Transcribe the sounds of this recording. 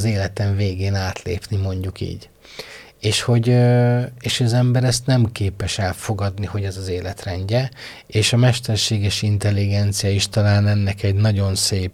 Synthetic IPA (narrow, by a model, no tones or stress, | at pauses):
zeːlɛt̪ɛɱveːɡeːnaːt̪lḛːpnimo̞ɲɟukḭːɟ | eːʃho̞ɟøeːʃoɒzɛmbɛɾɛst̪nɛmkeːpɛʃɛlfo̞ɡɒd̪niho̞ɟɛzɒzeːlɛt̪rɛɲɟɛ | eːʃɒmɛʃt̪ɛrʃeːɡɛʃint̪ɛlːiɡɛnt̪sijɒiʃt̪ɒlaːnɛnːɛkɛɟnɒɟo̞nseːp